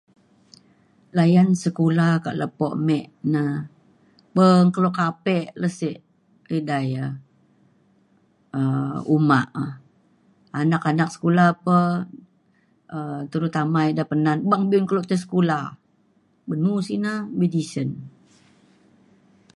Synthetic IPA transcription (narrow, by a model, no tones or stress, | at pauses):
lajansəkulaka̰ʔləpɔʔmɛʔna | bəŋkəloʔkapɛʔləseʔ | ədajə | əumaʔə | anakanak̚sə̥kulapə | ət̪əɾut̪amaidapənanbaŋbiunkəloʔt̪əs̬ə̥kula | bənusinamedisən